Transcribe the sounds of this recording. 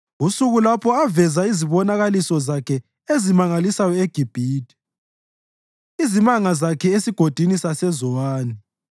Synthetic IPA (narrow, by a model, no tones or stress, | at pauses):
usuɣulapʰɔavɛzaiziβɔnaɣalisɔzakʰɛ | ezimaŋalisajɔeɡ̥ʱib̥ʱiːdʱʼi̥ | izimaŋazakʰɛesiɡ̥ʱod̥ʱinisasɛzɔwaːni